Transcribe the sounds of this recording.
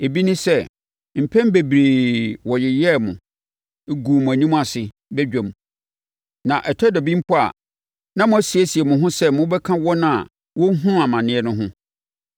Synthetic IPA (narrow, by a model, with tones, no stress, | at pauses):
e˨bi˦nɪ̃˦sɛ˦˨ | m̩˨pʰɛ̃˦m˦be˨bɾeː˨wɔ˨jɪ˨jɛ˦˨mʊ̃˨˦ | ɡuː˨m̃˨æ˨nĩ˦m̃˦a˨sɪ˨ | bɛ˦d͡ʑᶣɛ̃˨m | nã˨ʔɛ˨tʰæ˦dɔ˨bĩ˦m̩˦pʰɔ˦a̰˨ | nã˦mʊ̃˨˦æ˦si˨e˦si˨ɛ˨mʊ̃˨ɦʊ̃˦sɛ˦mʊ̃˦bɛ˦kʰã˦wɔ˦nã˦˨ | wɔ˦ɦʊ̃˦a˨mã˨nɪ̃˨˦ɛ˦nʊ̃˦ɦʊ̃˦